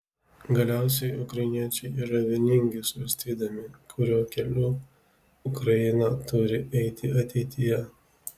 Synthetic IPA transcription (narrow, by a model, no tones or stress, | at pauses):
ɡɐlʲæˑʊs̬ʲɛɪʊkɾɐjɪnʲiɛt͡ʃʲɛɪiːɾɐʋʲeːnʲɪŋʲɡʲɪsʊɾɐsʲt̪ʲiːd̪ɐmʲɪkʰʊɾʲoːkʲɛlʲuː | ʊkɾɐjɪnɐt̪ʊɾʲɪɛɪt̪ʲɪɐt̪ʲɛɪt̪ʲɪjɛ